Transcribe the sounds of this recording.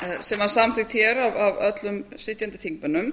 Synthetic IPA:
sɛmaɾ̥samθɪxt̪çɛɾavavœt̪lʏmsɪt̪jant̪ɪ̥θʰiŋkmɪnːʏm

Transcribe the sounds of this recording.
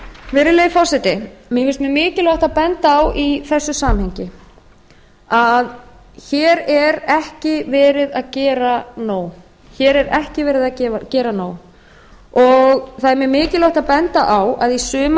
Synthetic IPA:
vɪɾɪleːjfɔsɛt̪ɪmjɛfɪlst̪mjɛmɪːcɪlaht̪apɛnt̪aːwiθɛsːʏsaːmhɛjɲcɪ | að | çɛːɾɛɾɛhcɪvɛːɾɪðaðcɛːɾanoːw | çɛːɾɛɾɛhcɪvɛːɾɪðacɛːvacɛːɾanoːw | ɔɣθaðɛɾmjɛmɪːcɪlawht̪aðpɛnt̪aʔawaðisʏːm

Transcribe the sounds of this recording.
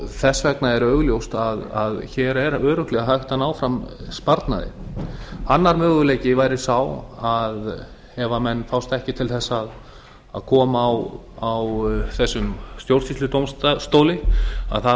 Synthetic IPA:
θɛsːvɛknaɛɾœːɣʏljowst̪aðaðçɛɾɛɾœːɾʏhklɛɣaɦajht̪anaːwfɾamspaɾt̪na̰ðɪ̰ | anːaɾmœːɣʏlejcɪvaːjɾɪsaːwað | hɛvamɛnːfawst̪ɛhcɪt̪ʰɪlθɛsːaːð | a̰ðkʰɔːmawawθɛsːʏmst̪jowɾ̥sist̪ʏt̪owmst̪ast̪owlɪa̰ðθa

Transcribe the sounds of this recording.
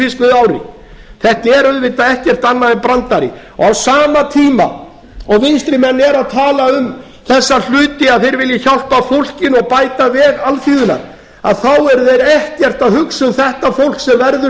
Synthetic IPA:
fɪskvɪðaːwɾɪ̰ | θɛht̪ɪɛɾʏðvɪt̪aɛht̪cɛr̥t̪anːaðɛnpɾant̪aɾɪ̰ | ɔ̰ɣawsaːmat̪ʰiːma̰ | ɔɣvɪnst̪ɾɪmɛnːɛɾaðt̪ʰaːlaʏm | θɛsːal̥ʏːt̪ɪaðθejɾvɪljɪçawl̥pafowl̥cɪnɔɣpaːjt̪avɛːɣalfiːðʏna̰ɾ | a̰ðθawɛɾðejɾɛhcɛr̥t̪aðhʏksʏmθɛht̪afowl̥ksɛmvɛɾðʏ

